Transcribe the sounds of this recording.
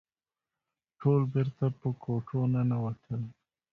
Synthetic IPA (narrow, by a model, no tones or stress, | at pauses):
ʈʰolbɪɾt̪apəkoʈonanawat̪ʰəl